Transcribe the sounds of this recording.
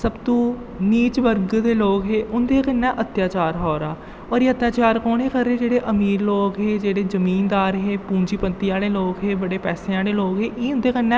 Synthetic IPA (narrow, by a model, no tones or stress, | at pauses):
səbt̪õː | niːt͡ʃʋəɾɡd̪eːloːkɦeːʔʊnd̪eːkənːɛ̃ːʔət̪jaːt͡ʃaːɾɦɔːɾaː | ɔːɾiːət̪ːjaːt͡ʃaːɾkoːɳeːkəɾːeːd͡ʒeːɽeːʔəmiːɾloːkɦeːd͡ʒeːɽeːzəmiːnd̪aːɾɦeːpũːɲd͡ʒiːpət̪iːaːleːloːkɦeːbəɽeːpɛːseːaːleːloːkɦeːʔiːʊ̃nd̪eːkənːɛ̃ː